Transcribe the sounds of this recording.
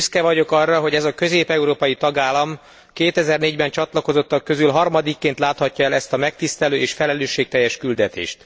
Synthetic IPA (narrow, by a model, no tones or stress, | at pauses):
yskɛvɒɟo̞kɒrːɒɦo̞ɟɛzɒkø̞zeːpɛuɾoːpɒjit̪ɒɡaːlɒm | keːt̪ɛzɛrneːɟbɛnt͡ʃɒt̪lɒko̞zo̞t̪ːɒkːø̞zylɦɒrmɒd̪ikːeːnt̪laːt̪hɒcːɒɛlɛst̪ɒmɛk̚t̪ist̪ɛløːeːʃfɛlɛløːʃːeːk̚t̪ɛjːɛʃkyld̪ɛt̪ḛːʃt̪